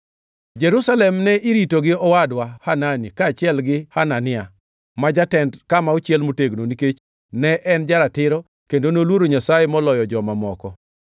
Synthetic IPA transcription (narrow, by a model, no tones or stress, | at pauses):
d͡ʒɛɾusalɛmnɛʔiɾitoɡɪɔwadwahananikaːt͡ʃɪɛlɡɪhananɪa | mad͡ʒatɛndkamaot͡ʃjɛlmoteɡnoniket͡ʃ | nɛʔɛnd͡ʒaɾatɪɾɔ | kendonolwoɾoɲasajemɔlɔjɔd͡ʒɔmamɔkɔ